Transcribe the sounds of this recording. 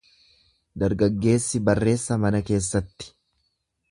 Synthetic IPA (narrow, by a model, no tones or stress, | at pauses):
d̪ɐɾɡɐɡːe̞ːsːɪbɐrːe̞ːsːɐmɐnɐke̞ːsːɐt̪ːɪ̥